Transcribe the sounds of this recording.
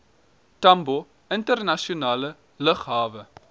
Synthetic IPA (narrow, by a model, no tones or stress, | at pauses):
tɐmbo | əntərnɐʃionɑːlə | ləχɦɑːvə